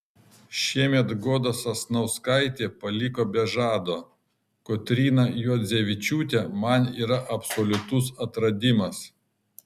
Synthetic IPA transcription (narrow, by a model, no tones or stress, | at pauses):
ʃʲiɛmʲɛt̪ɡoːd̪ɐsɐsnɐʊskɐɪt̪ʲeːpɐlʲɪkoːbʲɛʒɑːd̪oː | kot̪ʲɾʲiːnɐjuːd̪zʲeʋʲɪt͡ʃʲuːt̪ʲɛmɐnḭːɾɐʔɐpsolʲʊt̪ʊs̬ɐt̪ɾɐd̪ʲɪmɐs